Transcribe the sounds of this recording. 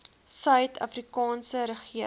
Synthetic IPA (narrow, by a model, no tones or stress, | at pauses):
sœɥtʰɐ̰frikɑːnsəɾəχiə